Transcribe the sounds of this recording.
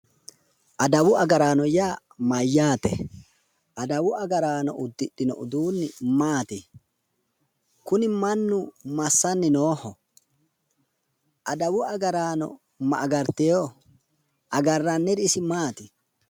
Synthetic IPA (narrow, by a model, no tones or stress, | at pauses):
ʔɐd̪ɐwʊɐɡɐɾaːnɔjaː | mɐjːaːt̪ɛ̰ | ʔɐd̪ɐwʊɐɡɐɾaːnɔ̰ʔʊd̪ːɪɗɪnɔ̰ʔʊd̪uːnːɪmaːt̪ɪ | kʊnɪmɐnːʊmɐsːɐnːɪnoːhɔ | ʔɐd̪ɐwʊɐɡɐɾaːnɔ̰ | mɐ̰ʔːɡɐɾt̪ɛjo | ʔɐɡɐrːɐnːɛd̪ɪsɪmaːt̪ɪ